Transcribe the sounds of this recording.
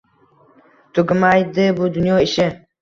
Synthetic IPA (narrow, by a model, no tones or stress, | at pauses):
t̪ʰʊɡʲɪmajd̪ɪbʊd̪ʊnjɒɪʃɪ